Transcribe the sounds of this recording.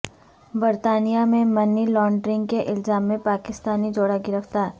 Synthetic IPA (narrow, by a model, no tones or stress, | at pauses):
bəɾt̪aːnijamẽmɐnilɔːɳɖɾɪ̃ŋɡ̚keʔɪlzaːmːẽpaːkɪst̪aːnid͡ʒoːɽaɡɪɾəkʰt̪aːɦ